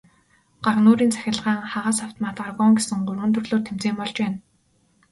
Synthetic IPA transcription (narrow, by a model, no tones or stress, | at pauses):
ɢ̥arnuːɾiːnt͡sʰæ̥xʲɪ̆ɮʁaːŋχaʁaːsawt̪ʰɔmaːt̪arɣɔŋɡesɘ̆ŋɢʊrʁə̆nt̪ʰɵ̆rɮoːrt̪ʰemt͡seːmpɔɮt͡ɕpæːn